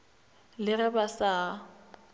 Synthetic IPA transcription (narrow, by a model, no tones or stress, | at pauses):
lɪrɛbasa